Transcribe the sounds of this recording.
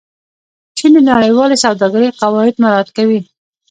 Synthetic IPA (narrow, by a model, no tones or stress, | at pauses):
t͡ʃimenaɽəjwɑlesawd̪ɑɡaɾeqawɑɪd̪maɾɑhat̪̚kawi